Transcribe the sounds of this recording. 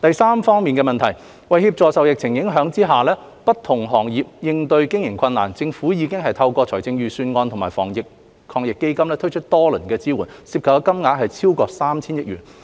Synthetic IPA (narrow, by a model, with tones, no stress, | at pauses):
t̪ɐ˨jsaː˥mfɔː˥ŋmiː˨nkɛː˧mɐ˨nt̪ʰɐ˨˩j | wɐ˨jhiː˧p̚t͡sɔː˨˧sɐ˨wjɪ˨k̚t͡sʰɪ˨˩ŋjɪ˨˥ŋɦœː˨˥ŋt͡siː˥ɦaː˨˩lɛː˥ | pɐ˥t̚t̪ʰʊ˨˩ŋɦɔː˨˩ŋjiː˨p̚jɪ˧ŋt̪ɵ˧ɥkɪ˥ŋjɪ˨˩ŋkʰɐ˧nːa̰ː˨˩nt͡sɪ˧ŋfuː˨˥jiː˨˧kɪ˥ŋɦɐ˨jt̪ʰɐ˧wkɔː˧t͡sʰɔː˨˩jt͡sɪ˧ŋjyː˨syː˧nŋɔː˧nt̪ʰʊ˨˩ŋmaː˨˩fɔ̰ː˨˩ŋjɪ˨k̚ | kʰɔː˧ŋjɪ˨kːe˥jkɐ˥mlɛː˥t̪ʰɵ˥jt͡ʃʰɵ˥t̚t̪ɔː˥lɵ˨˩nkɛː˧t͡siː˥wuː˨˩nsiː˧p̚kʰɐ˨kːkɐ˥mŋaː˨˥t̚ɦɐ˨jt͡sʰiː˥wkɔː˧k̚saː˥mt͡sʰiː˥njɐ˥t̚jyː˨˩n